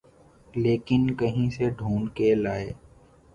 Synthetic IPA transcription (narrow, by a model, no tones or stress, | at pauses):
leːkɪnkɐɦĩseɖʱuːnkelaːeː